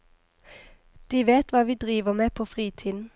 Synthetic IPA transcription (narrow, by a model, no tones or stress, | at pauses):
d̪̥iːʋeːt̪ʋɑːʋiːd̪ʁiːʋəmeːpʰoːfʁiːt̪ʰiːd̪n̩